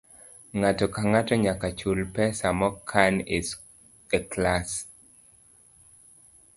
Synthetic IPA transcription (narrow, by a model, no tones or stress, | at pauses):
ŋatɔkaŋatɔɲakat͡ʃulpɛsamɔkʰanɪs | ɛklas